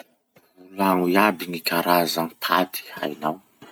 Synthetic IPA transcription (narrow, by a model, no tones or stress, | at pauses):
ulaŋuiabiŋikʰaɾazaŋipʰad̪i̥a̰jnaw